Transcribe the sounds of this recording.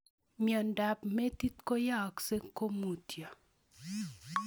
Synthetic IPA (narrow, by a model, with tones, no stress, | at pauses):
mjɔ˨nda˨pme˦t̪i˦t̪ko˦ja˦˨kse˦ko˦mu˨tja˨